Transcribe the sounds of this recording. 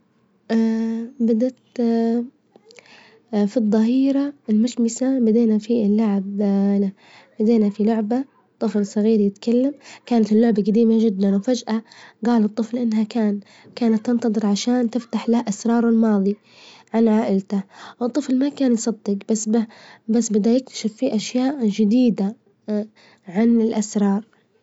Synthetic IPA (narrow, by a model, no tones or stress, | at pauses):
ʔabad̪at̪ | fiðˤːɑɦiːɾaɪlmʊʃmɪsabad̪eːnafilːaʕabla | bad̪eːnafilʊʕba | t̪ˤːɨflsˤɑɣiːɾjɪt̪kalːamkaːnat̪ɪlːʊʕbaɡad̪iːmad͡ʒɪd̪ːanwfad͡ʒʔaɡaːlɨt̪ˤːɨflʔɪnːhakaːn | kaːnat̪ːɪnt̪ɑðˤɨɾˤʕaʃaːnt̪ɪft̪aħlahʔasɾˤɑːɾˤɪlmɑːðˤi | ʕanʕaːʔɪlt̪awɨt̪ˤːɨflmakaːnjsˤɑd̪ːɪqbasbabasːbɪd̪ajɪk̚t̪ḁʃɪfːiʔaʃjaːʔd͡ʒɪd̪iːd̪a | ʕanɪlʔasɾˤɑːɾˤ